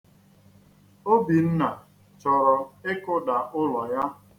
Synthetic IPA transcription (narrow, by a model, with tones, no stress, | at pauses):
o˦bi˨n̩˦na˨ | t͡ʃɔ˨ɾɔ˨ɪ˦kʊ˦da˨ʔʊ˦lɔ˨ja˦